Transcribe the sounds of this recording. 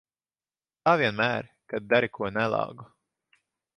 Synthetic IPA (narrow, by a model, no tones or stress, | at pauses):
t̪aːvʲiɛnmæːɾ | kad̪̚d̪aɾikʰuɔnælˠɑ̰ːɡu